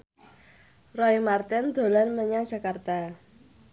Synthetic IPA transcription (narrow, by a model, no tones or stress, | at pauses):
rɔimart̪ɪnd̪̥o̤lanməɲḁʒ̥a̤kart̪a